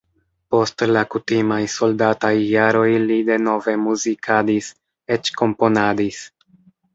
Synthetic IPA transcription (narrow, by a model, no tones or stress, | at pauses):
po̞stlakutimajso̞ldatajːaɾo̞jlide̞no̞ve̞muzikʰadis | e̞t͡ʃko̞mpo̞nadis